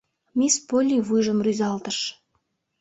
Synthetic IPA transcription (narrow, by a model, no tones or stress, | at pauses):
mʲispolʲivujʒə̆mɾyzɑlˠt̪əʃ